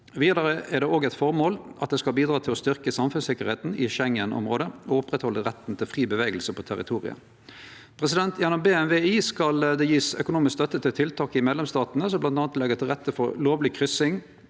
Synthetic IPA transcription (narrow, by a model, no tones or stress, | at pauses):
ʋiːd̪ɑɾəʔɛʁd̪ɛoːɡɛt̪fɔʁmoːlʔɑt̪̚d̪ɛskɑlbiːd̪ɾɑːt̪ʰɪlɔst̪ʏʁkəsɑmfʉnsɪkəʁheːt̪n̩ɪʃɛŋənʔɔ̰mʁoːd̪əɔʊpʁɛt̪hɔlːəʁɛt̪ːn̩t̪ʰɪlfʁiːbəʋeːɡəlsəpʰɔt̪ʰæɾɪt̪ʰuːʁɪ̰ə̰ | pʰʁɛs̬ɪd̪ɛnt̪ʰjɛnɔmbeːɛnʋeːiːskɑld̪ɛjiːsœ̰kʊnuːmɪskst̪œt̪ːət̪ʰɪlt̪ʰɪlt̪ʰɑːkɪmeːd̪lɛmst̪ɑːt̪nəsɔmblɑnt̪ɑːnt̪lɛɡəʁt̪ʰɪlʁɛt̪ːəfɔɾloːʋlɪkʰʁʏsɪŋ